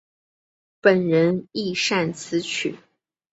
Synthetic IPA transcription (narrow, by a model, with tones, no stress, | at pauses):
pə˨˩nɻə˧˥ni˥˧ʂa˥˩nt͡sʰɹ̩˧˥t͡ɕʰy̰˨˩˦